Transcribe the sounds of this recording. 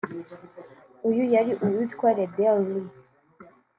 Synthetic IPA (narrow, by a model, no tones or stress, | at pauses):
ujujaɾiʔujut̪kwaɾedeɾi